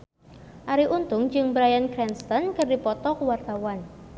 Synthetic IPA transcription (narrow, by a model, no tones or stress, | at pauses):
ʔaɾiʔunt̪ʊŋd͡ʒɨŋbɾajankɾɛnst̪ɔnkɨrdipɔt̪ɔkuwart̪awan